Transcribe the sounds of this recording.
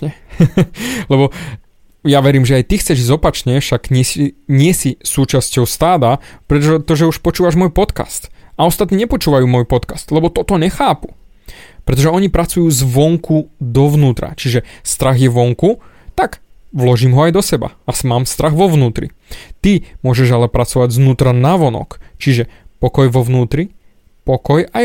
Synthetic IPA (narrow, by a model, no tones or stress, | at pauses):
ɛ | lɛbɔ | jaʋɛɾiːmʒɛajt̪ixt͡sɛʒizɔpat͡ʃɲɛfʃaɡɲɪɛsiɲɪɛsisuːt͡ʃascɔʊst̪aːd̪apɾɛt̪ɔʒɛt̪ɔʒɛuʃpɔt͡ʃuːʋaʒmɔjpɔt̪ka̰st̪aɔst̪at̪niːɲɛpɔt͡ʃuːʋajuːmɔjpɔt̪kast̪lɛbɔt̪ɔt̪ɔɲɛxaːpu̥ | pɾɛt̪̬ɔʒɛɔɲipɾat͡sujuːzʋɔŋkud̪ɔʋnuːt̪ɾa̰t͡ʃiʒɛst̪ɾaɣjɛʋɔŋku | t̪aɡ | ʋlɔʒiːmɦɔajd̪ɔsɛba̰asmaːmst̪ɾaɣʋɔʋnuːt̪ɾḭ | t̪imʊɔʒɛʒalɛpɾat͡sɔʋaɟznuːt̪ɾanaʋɔnɔ̰kt͡ʃiʒɛpɔkɔjʋɔʋnuːt̪ɾi | pɔkɔja